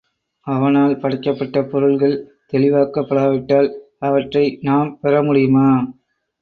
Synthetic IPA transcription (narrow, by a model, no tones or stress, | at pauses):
ɐʋɐnaːlpɐɽɪkːɐpːɐʈːɐpɔɾɯɭɣɐɭ | t̪ɛɭɪʋaːkɐpːɐɽaːʋɪʈːaːl | ɐʋɐʈrɐɪnaːmpɛɾɐmʊɽɪjɯmaː